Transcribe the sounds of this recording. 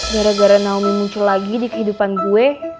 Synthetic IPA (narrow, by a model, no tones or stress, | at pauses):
ɡaɾaɡaɾanauminmuɲt͡ʃulaɡidikəɦidupanɡue